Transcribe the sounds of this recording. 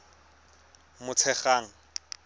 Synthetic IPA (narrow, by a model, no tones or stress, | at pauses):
mʊt͡sʰɛχaːŋ̩